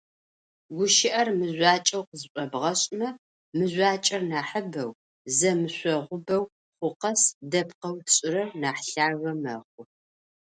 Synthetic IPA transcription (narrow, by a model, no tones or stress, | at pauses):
ɡʷʊʃɪʔɐrmɨʑʷaːt͡ʃʼɐwqəzɨɕʷʼɔbʁɐɕʼmɐ | mɨzʷaːt͡ʃʼɐrnaːħəbɐw | zɐmɨɕʷɔʁʷʊbɐw | χʷʊqɐsdɐpqɐwɕʼɪɾɐrnaːħɬaːɣɐmɐχʷʊ